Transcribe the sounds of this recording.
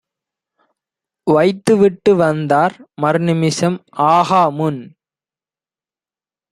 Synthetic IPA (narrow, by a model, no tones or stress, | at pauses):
ʋɐɪt̪ːɯʋɪʈːɯʋɐnd̪aːɾmɐɾnɪmɪsɐmaːɣaːmʊn